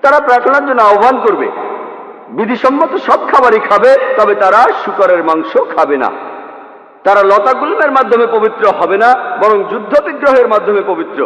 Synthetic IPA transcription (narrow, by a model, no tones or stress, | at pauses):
t̪aɾapɾat̪ʰonaɾd͡ʑonːoaobʱankoɾbḛ | bid̪ʱiʃɔmːot̪oʃɔb̚kʰabaɾikʰabet̪ɔbet̪aɾaʃukaɾeɾmaŋʃokʰabena̰ | t̪aɾalɔt̪aɡulmeɾmad̪ʱːomepobit̪ːɾoɦɔbenabɔɾoŋd͡ʑud̪ʱːopiɡɾoɦeɾmad̪ʱːomepobit̪ːɾo